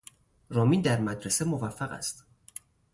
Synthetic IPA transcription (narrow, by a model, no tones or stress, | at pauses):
ɾɒːmind̪æɾmæd̪ɾe̞semo̞væfːæɣæ̰st̪